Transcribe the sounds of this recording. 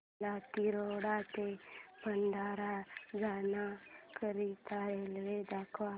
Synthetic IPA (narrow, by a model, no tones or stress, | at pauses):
lat̪iɾoɽat̪ebʱənɖʱaːɾad͡ʒaːnakəɾit̪aelʋed̪akʰʋa